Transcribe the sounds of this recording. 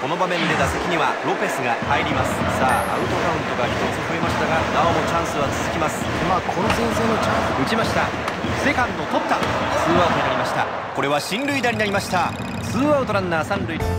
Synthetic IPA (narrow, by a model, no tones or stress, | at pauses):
ko̞no̞bamẽ̞nd̪e̞d̪asekʲiɲ̟iβaɾo̞pe̞sɨɡahaiɾʲimasɨ̥saːa̰ɯ̟t̪o̞kaɯ̟̃nt̪o̞kaçʲi̥t̪o̞t͡sɨɸɯ̟e̞maɕi̥t̪aɡanaomot͡ɕãɰ̃sɨβat͡sɨzɨkʲimasɨ̥maːkʰo̞no̞sẽ̞ɰ̃se̞ːno̞t͡ɕãɰ̃ssɨɯ̟t͡ɕimaɕi̥t̪a | se̞kãnt̪ot̪o̞t̪ːasɨːβaot̪oeɾaɾʲimaɕi̥t̪a | ko̞ɾe̞βaɕĩnɾɯ̟id̪aɲʲinaɾʲimaɕi̥t̪a | sɨːaɯ̟t̪o̞ɾãnːaːsãnɾɯ̟i